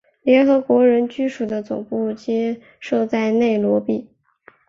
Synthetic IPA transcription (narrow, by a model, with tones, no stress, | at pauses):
ljɛ˧˥nxɤ˧˥kwɔ˧˥ɻə˧˥nt͡ɕy˥ʂu˨˩d̪ə˦t͡sʊ̰˨˩ŋpu˥˩t͡ɕi˥ | ʂɤ˥˧t͡sa˥˧ɪne˥˩ɪlwɔ˧˥pi˥˩